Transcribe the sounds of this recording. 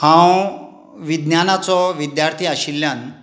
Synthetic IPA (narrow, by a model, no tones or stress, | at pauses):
hãw | ʋid̪njanat͡sɔʋid̪jaɾt̪ʰiːaɕilːjan